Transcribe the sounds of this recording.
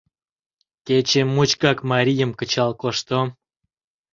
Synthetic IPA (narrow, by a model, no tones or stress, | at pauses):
kʲet͡ɕemːut͡ɕkɑkmɑɾʲijə̆mkə̆t͡ɕɑlkoʃt̪o